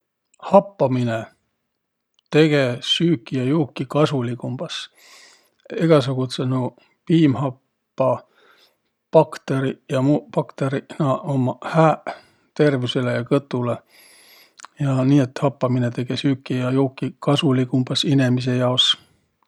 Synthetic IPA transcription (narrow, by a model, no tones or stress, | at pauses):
hɑpːɑmine | t̪e̞ɡ̥e̞syːkːˑijɑjuːkːikɑsulikumb̥ɑs | eɡ̥ɑs̬uɡ̥ut̪senu | piːmhɑpː | ɑ | pɑkt̪eɾijɑmupɑkt̪eɾinɑʔomɑhæː | t̪e̞rvise̞lejɑkɤt̪ːˑule | jɑniːe̞t̪hɑpːɑminet̪e̞ɡ̥e̞syːkːijɑjuːkːˑikɑsulikumb̥ɑsinemis̬e̞jɑos